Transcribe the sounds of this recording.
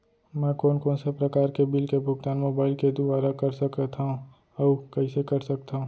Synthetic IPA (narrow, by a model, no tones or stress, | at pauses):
mɛ̃ːkoːnkoːnsepɾɐkaːɾkebɪlkebʱʊɡ̚t̪aːnmoːbaːɪlked̪ʊbaːɾakɐɾsɐkət̪ʰaũ | ɔːkɐisekɐɾsɐk̚t̪aɦũː